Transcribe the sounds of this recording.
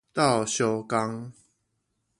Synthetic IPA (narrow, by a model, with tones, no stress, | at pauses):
t̪a˥˨ʊɕjɔ˧˦ka˦ŋ